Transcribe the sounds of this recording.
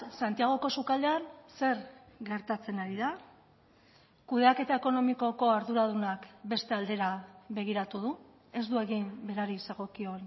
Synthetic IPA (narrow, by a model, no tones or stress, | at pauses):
sant̪iaɣ̞o̞ko̞sukald̪e̞anse̞ɾɡe̞ɾt̪at͡se̞naɾiða | kuðe̞ake̞t̪ae̞ko̞no̞miko̞ko̞aɾðuɾað̞unakbe̞st̪e̞ald̪e̞ɾaβe̞ɣ̞iɾat̪uðu | e̞zd̪ue̞ɣimbe̞ɾaɾiseɣ̞o̞kio̞n